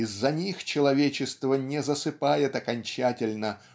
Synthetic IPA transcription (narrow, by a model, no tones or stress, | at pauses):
ɪzːɐnʲixt͡ɕɪlˠɐvʲet͡ɕɪst̪vənʲɪzəsɨpajɪt̪ɐkɐnʲt͡ɕætʲɪlʲnə